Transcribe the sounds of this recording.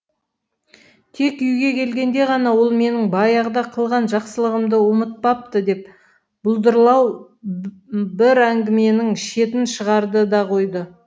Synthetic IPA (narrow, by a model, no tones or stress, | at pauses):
t̪ʰe̞kʏjɡʲe̞kʲʰe̞lɡʲe̞nd̪e̞ʁɑnɑwo̞lˠme̞nɪŋbɑjɑʁd̪ɑqʰəlˠʁɑnʒɑqsəlˠəʁəmd̪əwʊmət̪̚pɑp̚t̪əd̪e̞p | b̥ʊlˠd̪əɾlˠɑw | bɪɾæŋɡʲɪme̞nɪŋʃe̞t̪ɪnʃəʁɑɾd̪əd̪ɑqʰo̞jd̪ə